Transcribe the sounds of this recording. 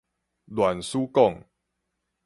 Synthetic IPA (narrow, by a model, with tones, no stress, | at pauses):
lwa˨˩nsuː˦kɔ˥˨ŋ